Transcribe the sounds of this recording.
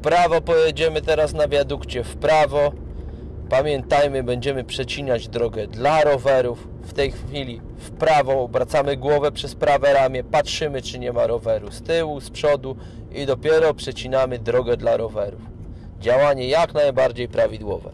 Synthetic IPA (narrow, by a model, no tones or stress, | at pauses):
pɾavɔpɔjɛd͡ʑɛmɘt̪ɛɾasnabʲjad̪ukt͡ɕɛfpɾavɔ | pamʲjɛnt̪ajmɘbɛɲd͡ʑɛmɘpʂɛt͡ɕiɲad͡ʑd̪ɾɔɡɛd̪laɾɔvɛɾufːt̪ɛjxfʲilʲi | fpɾavɔɔbɾat̪samɘɡwɔvɛpʂɛspɾavɛɾamʲjɛpatʂɘmɘt͡ʂɘɲɛmaɾɔvɛɾust̪ɘwuspʂɔd̪u | id̪ɔpʲjɛɾɔpʂɛt͡ɕinamɘd̪ɾɔɡɛd̪laɾɔvɛɾuf | d͡ʑawaɲɛjaknajbaɾd͡ʑejpɾavʲid̪wɔ̰vɛ̰